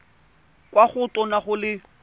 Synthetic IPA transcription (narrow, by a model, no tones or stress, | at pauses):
kwaχʊtʼɔnaχʊlɪ